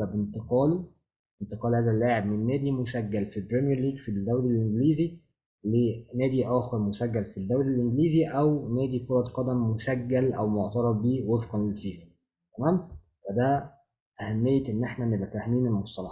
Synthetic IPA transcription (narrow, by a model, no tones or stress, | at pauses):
æbent̪eqɑːlu | ʔent̪eqɑːlhæːzælːaːʕeb̚menːæːd̪imoʃæɡːælfibɾemjæɾliːɡfild̪æwlilʔeŋɡliːzi | lenæːd̪iʔæːxeɾmoʃæɡːælfid̪ːæwlilʔeŋɡliːziʔæwnæːd̪ikoɾˤɑt̪qɑd̪æmːoʃæɡːælʔæ̰wmoʕt̪ɑɾˤɑbːiːwefqɑnlelfiːfæ̥ | t̪æmæːm | wæd̪æ | ʔæhæmːejːæʔenːʔeħnænebæfɾahmiːnelmosˤt̪ˤɑlɑ